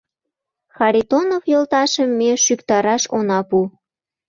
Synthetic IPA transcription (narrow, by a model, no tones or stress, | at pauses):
xɑɾʲit̪onofjolt̪ɑʃəmːeʃykt̪ɑɾɑʃonɑpu